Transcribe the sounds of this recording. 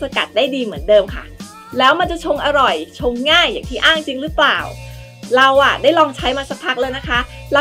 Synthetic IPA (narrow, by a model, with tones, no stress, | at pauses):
sa˧ka̰˨˩t̪̚daː˥˩jdiː˧mɯ˩˦əndɤː˧mkʰa̰˥˩ | lɛː˦˥wma˧nt͡ɕa˨˩t͡ɕʰo˧ŋʔa˧ɾɔ˨˩jt͡ɕʰo˧ŋːaː˥˩jːaː˨˩ŋt̪ʰiː˥˩ʔaː˥˩ŋt͡ɕi˧ŋɾɯ˦˥plaː˨˩w | ɾa˧wʔa˨˩da˥˩jlɔː˧ŋt͡ɕʰa˦˥jmaː˧sa˦˥k̚pʰa˦˥k̚lɤː˧jna˦˥kʰa˦˥ | la˧